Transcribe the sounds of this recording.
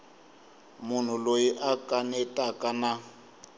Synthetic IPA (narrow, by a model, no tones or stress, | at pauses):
mʊn̤ulojiʔakʼanɛtʼakʼana